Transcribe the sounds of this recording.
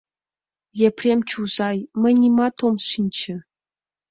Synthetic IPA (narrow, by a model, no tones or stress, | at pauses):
jepʲrʲemʲt͡ɕuzɑjmʲɘ̆nʲimɑt̪omʂinʲt͡ɕɘ̆